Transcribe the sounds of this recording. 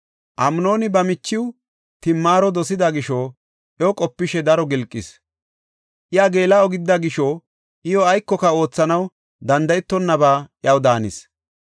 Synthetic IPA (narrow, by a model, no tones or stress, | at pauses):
ʔɐmno̞ːnɪbɐmɪt͡ʃːɪw | t̪ɪmːaːɾɔd̪ɔsɪd̪ɐɡɪʃoː | ʔɛɔkʼɔpːɪʃɛd̪ɐɾɔɡɪlkʼːɪs | ʔɪjaɡe̞ːlɐɔɡɪd̪ːɐɡɪʃɔ | ʔɪjɔɐjkːɔkɐo̞ːt͡sːɐnɐw | d̪ɐnd̪ɐjɛt̪ːɔnːɐbaːʔjɐwd̪aːnɪs